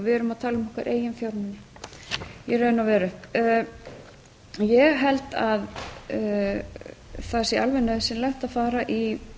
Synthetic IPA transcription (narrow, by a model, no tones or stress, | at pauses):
vɪɛɾʏmaðt̪ʰaːlmɔhkva̰ɾʔeːjɪnfjawɾnɪnːɪ | jɛɾœːðnawvɛːɾʏh | jɛɣɦɛlt̪að | θasialvɛnœðsɛmlɛht̪aðfaːɾaʔi